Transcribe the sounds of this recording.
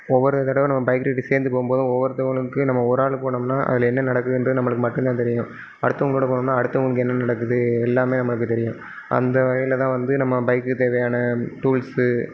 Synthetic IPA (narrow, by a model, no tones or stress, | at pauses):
ɔʋːɔɾɯðɐt̪ɐɽɐʋ̃nɐmːɐbɐɪkɾeːʈːiseːɾnd̪ɯpoːɣɯmpoːðʊ̃ɔʋːɐɾɯt̪ːɐʋɐɭɯkːɯnɐmːɐɔɾaːɭɯpoːɳɐmnaːʔɐ̰ðɪlɐɛnːɐnɐɽɐkːɯɣɪndrɐðɯnɐmːɐɭɯkːɯmɐʈːɯ̃nt̪ãːt̪ɛɾɪjʊ̃ | ɐɽɯt̪ːɐʋʊŋɡɐɭoːɽɐpoːɳmnːaːɐɽɯt̪ːɐʋʊŋɡɐɭɯk̬ːɯɛnːɐnɐɽɐkːɯðɯɛlːaːmeːnɐmːɐɭɯkːɯt̪ɛɾɪjʊ̃ | ʔɐ̰nd̪ɐʋɐɣɐlɐt̪ãːʋɐnd̪ɯnɐmːɐbɐɪkːɯt̪eːʋɐjaːnɐʈuːls